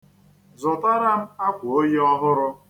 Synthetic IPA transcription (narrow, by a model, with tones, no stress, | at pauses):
zʊ˨ta˦ɾa˦m̩˦a˦kʷʊ˨o˦je˦ɔ˦ɦʊ˦ɾʊ˦